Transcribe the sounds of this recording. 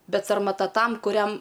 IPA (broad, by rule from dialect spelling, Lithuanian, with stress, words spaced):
ˈbʲɛt sɐrmɐˈtɐ ˈtɐm kʊˈrʲɛm